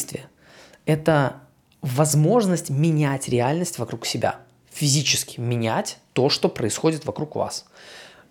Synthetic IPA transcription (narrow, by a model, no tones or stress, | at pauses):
st̪vʲɪə | ɛt̪ə | vɐzmo̞ʐnəsʲtʲmʲɪnʲætʲɾʲɪalʲnəsʲtʲvɐkɾuksʲɪbʲa̰ | fʲɪzʲit͡ɕɪ̥skʲɪ̥mʲɪnʲætʲt̪o̞ʂt̪o̞pɾəɪsxo̞dʲɪt̪vɐkɾukva̰s